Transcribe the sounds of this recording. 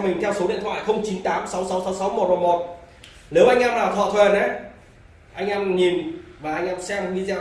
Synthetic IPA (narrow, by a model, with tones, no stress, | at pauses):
mï̟˨˩t̪ʰɛ˧wso˨˦ɗḭ˧˨ənt̪ʰwa̰ː˧˨jxə˧wŋ͡mt͡ɕi˨˦nt̪aː˨˦msa˨˦wsa˨˦wsa˨˦wsa˨˦wmo˨˩t̚vo˨˩mo˨˩t̚ | ne˨˦wʔa˧jŋ̟ʔɛaː˧mlaː˨˩wt̪ʰɔ̰˧˨t̪ʰwe˨˩na˨˦ | ʔa˧jŋ̟ʔɛː˧mɲi˨˩nvaː˨˩ʔa˧jŋ̟ʔaː˧msɛ˧m˧˩ŋi˧zɛː˧